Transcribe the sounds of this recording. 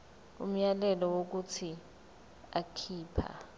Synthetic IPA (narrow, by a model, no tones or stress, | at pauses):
ṵm̩jalɛlɔwok̬utʰi | akʰiːpʰa̰